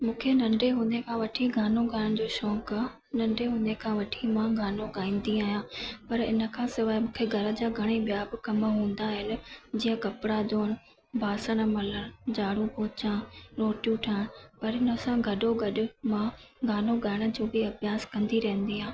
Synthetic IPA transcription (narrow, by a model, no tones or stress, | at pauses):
mũːkʰenɐ̃ɳɖeɦũːn̆d̪ekʰãʋɐʈʰiɡʱaːnoɡʱaɾəɽ̃̆d͡ʑoːʃɔːk | nɐ̃ɳɖeɦũːnd̪ekʰãʋɐʈʰimãɡʱaːnoɡaːĩːnd̪iaːɦjãːpɐɾɪ̰nə̆kʰãːsɪʋaːɪmũːkʰeɡʱɐɾə̆d͡ʑaːɡʱɐɽ̃ebijaːbɪkɐmɦũːnd̪aːɦɪnɪ̆d͡ʑiːə̃kɐpɽaːd̪oɦɪnɪ̆ | bʱaːsəɽ̃̆mɐləɽ̃d͡ʑaːɽũpɔɦʊt͡ɕãnoːʈjũʈʰãːnpɐɾɪnə̆sãɡʱɐɗoɡɐɗʊ̆mãɡʱaːnoɡʱaːɽ̃ə̆d͡ʑoːbiɐbjaːskɐ̃nd̪iɾɐɦə̃nd̪iɦãː